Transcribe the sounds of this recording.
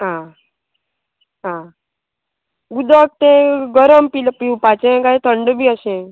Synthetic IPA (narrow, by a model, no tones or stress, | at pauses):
ɦã | ɦã | ɡud̪ək̚t̪ẽɡəɾəmpilpiũpat͡ʃẽɡaɦẽt̪ʰəɳɖbʱiəɕẽ